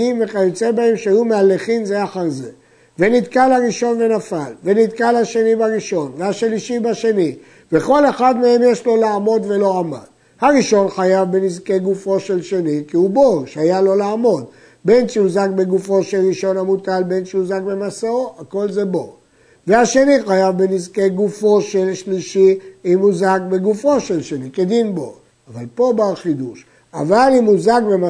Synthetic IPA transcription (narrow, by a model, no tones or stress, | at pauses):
imveχajut͡sebaemʃjumealːeχinzeaχaʁze | venid̪kalaʁiʃo̞nve̞nafalve̞nit̪kalhaʃe̞nibaʁiʃo̞nvehaʃliʃibaʃe̞ni | ve̞ko̞le̞χad̪me̞e̞mje̞ʃlo̞laːmo̞d̪ve̞lo̞ama̰d | haʁiʃo̞nχajavbe̞nizke̞ɡufo̞ʃe̞lʃe̞nikiuboʃeajalo̞laamo̞d̪ | be̞nʃeuzakbe̞ɡufo̞ʃelʁiʃo̞nhamutalbe̞nʃeuzakbe̞masaoako̞lze̞bo | vehaʃe̞niχajavbenizke̞ɡufo̞ʃelʃliʃiimuzakbeɡufo̞ʃelʃeniked̪inbo̰ | avalpo̞baχid̪uʃ | a̰valimhuzakbema